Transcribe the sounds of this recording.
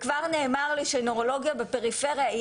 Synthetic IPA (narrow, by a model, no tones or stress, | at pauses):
kvaʁne̞ːmaʁliʃenoʁo̞lo̞ɡijabepe̞ʁife̞ʁija